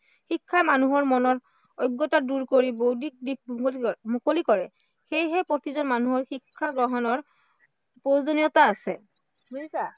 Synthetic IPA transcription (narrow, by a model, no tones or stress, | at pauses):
xikʰːamanuɦɔɹmɔnɔɹ | ɔjɡːɔtaduɹkoɹibodik̚dik̚mmukolikɔɹɛ | xejɦɛpɹotizɔnmanuɦɔɹxikʰːaɡɹɔɦɔnɔɹ | pɹojzonijɔtaːsɛ | sa